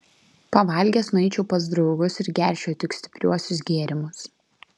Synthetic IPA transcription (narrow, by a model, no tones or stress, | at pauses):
pɐʋɐlʲɡʲɛːˑsnʊɛɪt͡ʃʲɛʊpɐzd̪ɾɒʊɡʊsɪɾɡʲæˑɾʲʃʲɛːt̪ʲɪksʲt̪ʲɪ̥pʲɾʲuɔsʲʊs̬ɡʲeːɾʲɪmʊs